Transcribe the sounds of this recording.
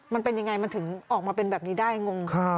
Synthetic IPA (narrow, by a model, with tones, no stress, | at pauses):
ma˧npe˧nja˧ŋa˧jma˧nt̪ʰɯ˩˦ŋʔɔː˨˩k̚maː˧pe˧nbɛː˨˩p̚niː˦˥daː˥˩jŋo˧ŋkʰa˥˩